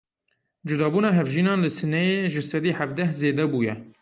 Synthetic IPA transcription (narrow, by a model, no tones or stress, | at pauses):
d͡ʒʊd̪ɑːbuːnɑːɦɛvʒiːnɑːnlɨsɨnɛjeːʒɨsɛd̪iːhævd̪ɛhzeːd̪ɛbuːjɛ